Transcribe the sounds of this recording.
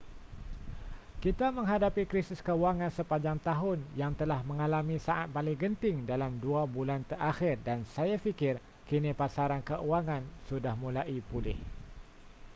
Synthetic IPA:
kit̪amə̃ŋɦadapikɾisɪskəuwaŋansəpaɲd͡ʒaŋt̪aɦʊnjaŋt̪əlahmə̃ŋalamisaʔat̪̚palɪŋɡənt̪ɪŋdalamduabulant̪əɾʔaxɪrdansajafikɪr | kinipasaɾankəʔuaŋansudahmulaʔipulɪh

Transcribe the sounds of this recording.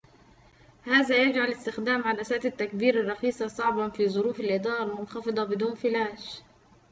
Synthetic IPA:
haːzajad͡ʒʕalɪst̪ɪxd̪aːmʕad̪asaːt̪ɪt̪ːakbiːɾɪrˤːɑxiːsˤɑsˤɑʕbɑnfizˤʊɾuːfɪlʔɪd̪ɑːɾˤɑmʊnxɑfɨd̪ˤɑbɪd̪uːnfɪlaːʃ

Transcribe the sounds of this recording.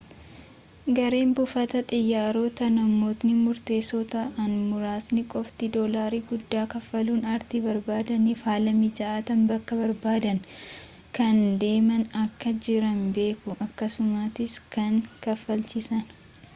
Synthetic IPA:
ɡɐɾeːmbʊfɐt̪ɐt̪ʼɪjːaːɾoːt̪ɐnɐmːo̞ːt̪nɪmʊɾt̪e̞ːsoːt̪ɐʔɐnmʊɾaːsnɪkʼɔft̪ɪd̪oːlaːɾiːɡʊd̪ːaːkɐfːɐluːnɐɾt̪ibɐɾbaːd̪ɐnifaːlɐmɪd͡ʒɐaːt̪ɐmbɐkːɐbɐɾbaːd̪ɐn | kɐnd̪e̞ːmɐnɐkːɐd͡ʒɪɾɐnbe̞ːkʊʔɐkːɐsʊmat̪ɪskɐŋkɐfːɐlt͡ʃɪsɐn

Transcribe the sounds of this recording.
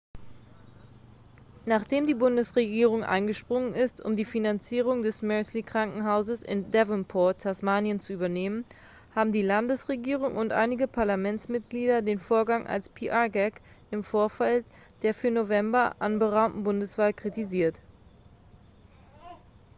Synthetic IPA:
naːχd̥eːmdiːbʊndəsʁeɡiːʁ̞ʊŋʔa̰ɪnɡəʃpʁ̥ʊŋənɪstʊ̰mdiːfinant͡siːʁ̞ʊŋdɛsmœɐslikʁ̥aŋkŋ̩ɦaʊzəsɪ̰ndɛvənpʰɔɐtʰasmaːnjənt͡suyːbɐneːmən | haːbm̩diːlandəsʁeɡiːʁ̞ʊŋʔʊntʔa̰ɪnɪɡəpʰaɐlamɛnt͡smɪt̚ɡ̥liːdɐdeːnfoːɐɡaŋʔa̰lspʰiʔaɡɛk | ʔɪmfoːɐfal | d̥eːɐfyːɐnovɛmbɐʔanbəʁaʊmtn̩bʊndəsv̥aːlkʁ̥itiziːɐt

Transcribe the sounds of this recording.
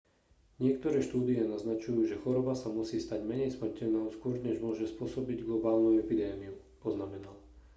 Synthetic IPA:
ɲɪɛk̚t̪ɔɾɛːʃt̪uːd̪iɛnaznat͡ʃujuːʒɛxɔɾɔbasamusiːst̪aɟmɛɲɛjsmr̩cɛʎnɔʊskʊɔɾɲɛʒmʊɔʒɛspʊɔsɔbiɟɡlɔbaːlnuɛpid̪ɛːmiu | pɔznamɛnal

